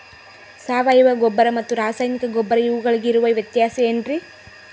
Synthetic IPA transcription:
saːʋɐjʋɐɡobːɐɾɐmɐt̪ːuɾaːsaːjnikɐɡobːɐɾɐiʋuɡɐɭiɡeiɾuʋɐʋjɐt̪jaːsɐeɳɖɾi

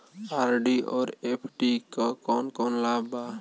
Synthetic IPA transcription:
aɾɖiʔɔːɾepʰʈikɔkɔnkɔnlaba

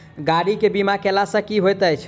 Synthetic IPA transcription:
ɡaɽikebimakelasə̃kiɦojt̪əjt͡ʃʰ

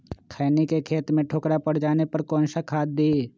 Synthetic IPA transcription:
kʰaːnikekʰeːt̪mẽʈʰoːkɾapɐɽd͡ʒaːnepɐɾkɔ̃ːnʃakʰaːd̪̚ːiː

